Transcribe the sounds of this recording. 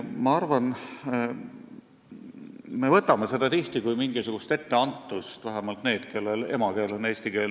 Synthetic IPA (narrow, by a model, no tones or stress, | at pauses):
mɑɑrvɑn | me̞vɤt̪ːˑɑmese̞d̪̥ɑt̪iht̪ikujmiŋɡ̥isuɡ̥ust̪e̞t̪ːe̞ɑnt̪ːˑust̪væɦæmɑlt̪ne̞ːd̪̥ke̞lːe̞le̞̰mɑke̞ːleneːst̪ike̞ːl